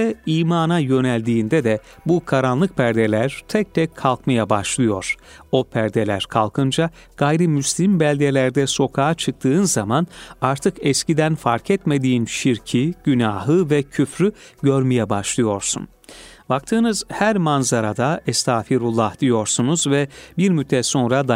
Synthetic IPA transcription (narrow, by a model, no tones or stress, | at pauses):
ɛiːmaːnajø̞nɛlʲd̪iːnd̪ɛd̪ɛ | bukʰaɾanlˠɯk̚pʰæɾd̪elʲæɾt̪ʰɛc̚t̪ʰɛkʰːalˠkmajabaʃlˠɯjo̞ɾ̥o̞pʰæɾd̪elʲæɾkʰalˠkʰɯnd͡ʒa | ɡ̥ajɾɯmyslʲimbælʲd̪elʲæɾd̪ɛso̞kʰaːt͡ʃʰɯk̚t̪ʰɯːnzamanaɾt̪ʰɯkɛscid̪ænfaɾcʰɛt̪me̞d̪iːnʃiɾcʰiɟ̥ynaːɦɯvɛcʰyfɾyɟøɾmijɛbaʃlˠɯjo̞ɾsṵn | bak̚t̪ʰɯːnɯz̥hæɾmanzaɾad̪aɛst̪ʰaːfiɾulˠːahd̪̥ijo̞ɾsunuzvɛbiɾmyt̪ʰːɛso̞nɾad̪a